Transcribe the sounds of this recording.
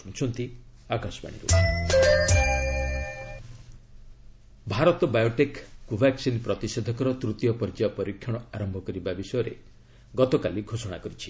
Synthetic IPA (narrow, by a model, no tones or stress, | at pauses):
unt͡ʃʰɔnt̪i | akasɔ̥pa̰ɽ̃ḭɾṵ | bʱaɾɔt̪ɔbajoʈekːubʱaksinpɾɔt̪ised̪ʱɔkɔɾɔt̪ɾut̪jɔpɔɾid͡ʒapɔɾikʰːjɔɽ̃ɔaɾɔmbʱɔkɔɾibabisɔjɔɾḛ | ɡɔt̪ɔkaliɡʱosɔɽ̃akɔɾit͡ʃʰi̥